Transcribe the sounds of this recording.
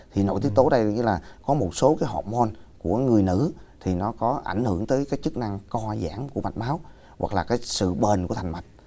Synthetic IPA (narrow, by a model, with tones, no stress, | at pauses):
t̪ʰi˨˩no̰˧˥jt̪i˦˥ək̚t̪o˨˦ɗə˧jɲɨ˧laː˨˩kɔ˨˦mo˨˩t̚so˨˦kaː˨˦jɦɔ˨˩p̚mo˧nku˧˩əŋɨ˨˩əjnɨ̰˧˥t̪ʰi˨˩nɔ˨˦kɔ˨˦ʔa̰˧˩ŋ̟hɨ˧˩əŋt̪əː˨˦jkaː˨˦jt͡ɕɨ˦˥k̚na˧ŋkɔ˧za̰ː˧˩mku˧˩əma˨˩t̚maː˨˦w | wa˨˩k̚laː˨˩kaː˨˦jsɨ̰˧˨ɓe˨˩nkət̪ʰŋma˨˩jt̚